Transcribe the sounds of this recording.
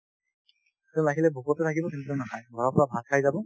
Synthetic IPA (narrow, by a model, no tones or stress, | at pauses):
tulaɡilɛbʱukɔtɛtʰakibɔkɛntɔnaɦajɡʱɔɹɔpɔɹabʱad̚kʰajzabɔ